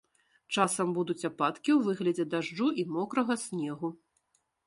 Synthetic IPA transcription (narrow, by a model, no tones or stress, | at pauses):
t͡ʂasɐmbud̪ut͡sʲapat̪kʲiwvɨɣlʲɐd͡zʲɛd̪aʐd͡ʐuʔimɔkɾɐɣɐsʲnʲɛɣu